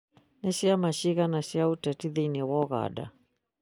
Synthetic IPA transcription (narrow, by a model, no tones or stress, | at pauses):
nɛʃiamaʃiɣanaʃiautɛtiðiiniwɔɣa̰da̰